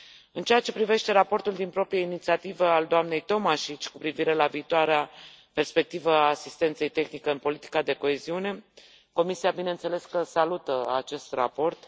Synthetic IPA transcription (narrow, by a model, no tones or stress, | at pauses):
ɨnt͡ʃeat͡ʃe̞pɾive̞ʃt̪e̞ɾapo̞rt̪uld̪inpɾo̞pɾijainit̪siat̪ivəald̪oamne̞jt̪o̞maʃit͡ʃʲkupɾiviɾe̞laviːt̪oaɾea | pe̞rspe̞k̚t̪ivaːsist̪e̞nt̪se̞jt̪e̞xnikeɨnpo̞lit̪i̥kad̪e̞ko̞e̞ziune̞ | ko̞misiabine̞ɨnt̪se̞le̞skəsalut̪əat͡ʃe̞st̪ra̰po̞rt̪